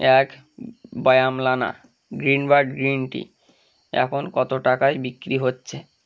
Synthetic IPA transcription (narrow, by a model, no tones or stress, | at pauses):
ɛk | bɔjamlana̰ | ɡɾinbaɖɡɾinʈḭ | ɛ̰kʰonkɔt̪oʈakajbikːɾiɦotːɕʰe